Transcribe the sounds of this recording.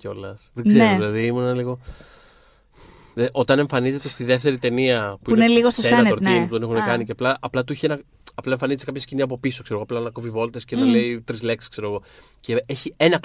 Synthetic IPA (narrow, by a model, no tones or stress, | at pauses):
ceo̞lɐsðeɡzeɾoðilɐðiimunɐliɣo̞ | eʔo̞t̪ɐne̞ɱfɐnize̞t̪e̞st̪iðe̞ft̪e̞ɾit̪e̞niɐpuineliɣost̪oenoɾimut̪o̞nexunekɐniceɐplɐʔɐplɐt̪ueçienɐ | ɐplɐeɱfɐnizet̪ekɐpçɐsciniɐp̬o̞piso̞kse̞ɾɣoɐplɐnɐkovivo̞lt̪escenɐle̞it̪ɾizle̞ksi̥kse̞ɾo̞ɣo̞ | ceeçie̞nɐ